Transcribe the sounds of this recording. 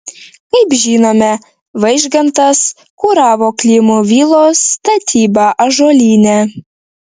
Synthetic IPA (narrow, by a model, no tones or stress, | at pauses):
kɐɪpʒʲiːnoːmʲɛ | ʋɐɪʒɡɐnt̪ɐs | kuːɾɑːʋoːklʲiːmuːʋʲiːlˠoːst̪ɐt̪ʲʰiːbɑʔɐʒoːlʲiːnʲɛ